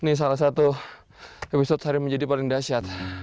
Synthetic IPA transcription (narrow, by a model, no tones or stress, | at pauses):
nɪs̬alas̬at̪u | episɔt̪̚saɾiməɲd͡ʒadipalɪŋdasiat̪̚